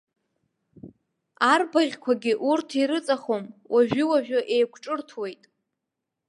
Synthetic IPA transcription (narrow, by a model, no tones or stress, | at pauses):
arbaʁʲkʷʰaɡʲɪʔurtʰiɾɨt͡sʼaχomwʔaʒᶣɪwaʒᶣʊʔejkʷʰʈ͡ʂʼɨrtʰwe̞jtʼ